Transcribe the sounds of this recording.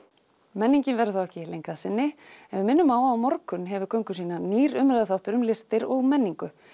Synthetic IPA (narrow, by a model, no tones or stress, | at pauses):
mɛnːiɲcɪnvɛɾʏθawɛhcɪlejŋkɾasɪnːɪɛnvɪðmɪnːʏmaːwaamɔɾkʏnɦɛvʏkʰœɥŋkʏ̥siːnaniːɾʏmɾaðaθawht̪ʏɾʏmlɪst̪ɪɾɔɣmɛnːiŋkʏ